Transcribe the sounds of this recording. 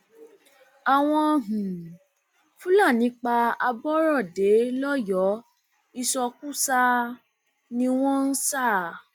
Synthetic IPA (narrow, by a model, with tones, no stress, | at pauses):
a˨w̃ɔ̃˧ɦũ˨ | fũ˦la˦˨nĩ˨˦k͡pa˧a˧bɔ˦ɾɔ˦˨de˨˦lɔ˦jɔ˨˦ | i˧sɔ˧ku˦sa˧ | nĩ˧w̃ɔ̃˦n̩˦sa˦˨